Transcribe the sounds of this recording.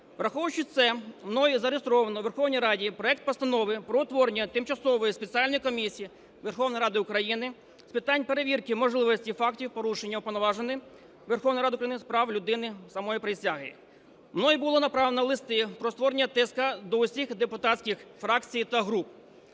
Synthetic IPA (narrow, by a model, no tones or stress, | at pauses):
ʋɾɐxɔʋʊt͡ʃɪt̪sɛmnɔjizɐɾest̪ɾɔʋɐnɔʋerxɔwnʲijɾɑdʲipɾɔɛk̚t̪̚pɔst̪ɐnɔʋɪpɾɔɔt̪ʋɔɾnʲːɐt̪ɪmt͡ʃɐsɔʋɔjispet͡sʲiɑlʲnɔjikɔmʲisʲiji | ʋerxɔwnɔjiɾɑd̪ɪʊkɾɐjinɪ | spɪt̪ɑnʲpe̞ɾeʋʲirkɪmɔʒlˠɪʋɔsʲtʲifɑktʲiwpɔɾuʃenʲːɐʊpɔlnɔʋɑʒenɪ | ʋerxɔwnɔjɾɑd̪ɪukɾɐjinɪspɾɑwlʲʊd̪ɪnɪsɐmɔjipɾɪsʲaɦɪ | mnɔjibʊlˠɔnɐpɾɑʋenɔlˠɪst̪ɪpɾɔɔt̪ʋɔɾenʲːɐt̪ɛskɐd̪ɔʊsʲixd̪epʊt̪ɑtsʲkʲixfɾɑkt͡sʲijt̪ɐɦɾup̚